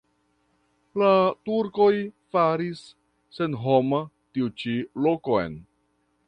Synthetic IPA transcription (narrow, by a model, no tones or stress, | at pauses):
latuɾko̞jfaɾisː | e̞nɦo̞ma | tiut͡ʃilokoḛn